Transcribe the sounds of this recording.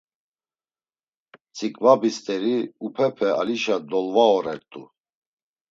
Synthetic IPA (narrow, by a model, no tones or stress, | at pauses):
t͡sʰʼikʼvabist̪ʼɛɾiupʰɛpʰɛa̰liʃad̪ɔlvaɔɾɛɾt̪ʼṵ